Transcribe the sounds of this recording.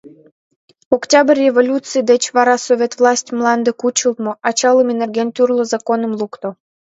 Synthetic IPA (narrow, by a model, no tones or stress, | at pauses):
oktʲɑbərʲevolʲut̪t͡sɨjd̪et͡ɕβɑɾɑsovʲet̪vlˠɑsʲtʲmlɑnd̪ekut͡ɕəlt̪moʔɑt͡ɕɑlˠəmenerɡʲent̪ʲyrlozɑkonəmlˠukt̪o